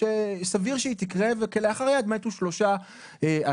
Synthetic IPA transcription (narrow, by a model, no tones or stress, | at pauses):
esaviʁʃeit̪ikʁevekeleaχaʁjad̪met̪uʃlo̞ʃa | ea